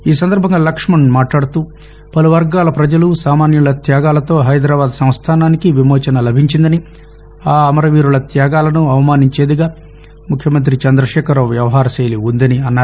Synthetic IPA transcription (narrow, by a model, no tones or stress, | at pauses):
iːs̬ɐnd̪ɐɾbʱɐŋɡaːlɐkʂmɐnmaːʈlaːɽut̪uː | pɐluʋɐɾɡaːlɐpɾɐd͡ʒɐlusaːmaːnjulɐt̪jaːɡaːlɐt̪o̞ːɦɐjd̪ɾaːbaːd̪sɐm̃st̪ʰaːnaːnikiʋimɔːt͡ʃɐnɐlɐbʱiɲt͡ʃind̪ɐni | aːɐmɐɾɐʋiːɾulɐt̪jaːɡaːlɐnuɐʋɐmaːniɲt͡ʃeːd̪iɡaː | mukʰjɐmɐnt̪ɾit͡ʃɐnd̪ɾɐʃɛːkɐɾoʋjɐʋɐɦaːɾɐʃejliund̪ɐniɐnːaː